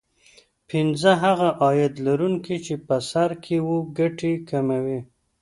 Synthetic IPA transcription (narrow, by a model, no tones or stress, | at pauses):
pɪnzəɦaɣaʔɑjad̪laɾuŋkit͡ʃepəsaɾkʰewuɡaʈekʰamawi